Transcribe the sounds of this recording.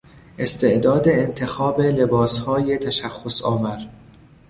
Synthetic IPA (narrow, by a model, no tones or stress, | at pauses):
ʔe̞st̪ʰe̞ʔd̪ɒːd̪eːnt̪ʰe̞xɒːbe̞le̞bɒːshɒːje̞t̪ʰæʃæxːosɒːmæɾ